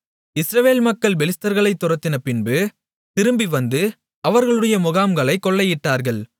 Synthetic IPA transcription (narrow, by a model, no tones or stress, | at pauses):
ɪsɾɐʋeːlmɐkːɐɭbɛlɪst̪ɐɾɣɐɭɐɪt̪ːʊɾɐt̪ːɪnɐpɪnbɯ | t̪ɪɾɯmbiʋɐnd̪ɯ | ɐʋɐɾɣɐɭɯɽɐjɐmʊɣaːmɡɐɭɐɪkːɔɭːɐjɪʈːaːɾɣɐɭ